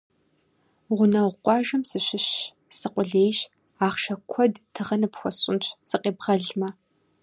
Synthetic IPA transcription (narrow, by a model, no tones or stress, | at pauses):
ʁʷʊnɐʁʷʊqʷʼɑːʒɐmsɨɕɪɕ | sɨqʷʼʊɮeːjɕ | aːχʃɐkʷʰɔdtʰɨʁɐnɨpxʷɔɕʼɪ̰nt͡ʃʰsɨqʼeːbʁɐɮmɐ